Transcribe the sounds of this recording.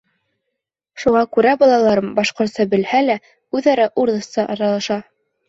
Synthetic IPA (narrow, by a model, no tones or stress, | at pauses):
ʃuʁɑkʉɾæbɑlˠɑlˠɑɾɤmbɑʃqŏɾt̪sɤbɘ̆lhælæ | ʉðɑɾæʔuɾðɤ̆st̪ɑʔɑ̰ɾɑlˠɑʃɑ